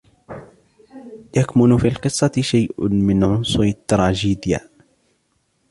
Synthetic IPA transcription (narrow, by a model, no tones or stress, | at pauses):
jakmʊnfiːlqɨsˤːɑʃajʔmɪnʕʊnsˤʊɾt̪ːɾˤɑːd͡ʒiːd̪ɪja̰